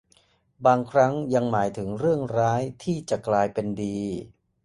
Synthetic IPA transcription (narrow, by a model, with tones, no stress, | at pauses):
baː˧ŋkʰɾa˦˥ŋja˧ŋmaː˩˦jt̪ʰɯ˩˦ŋɾɯ˥˩əŋɾaː˦˥jt̪ʰiː˥˩t͡ɕa˨˩klaː˧jpe˧ndiː˧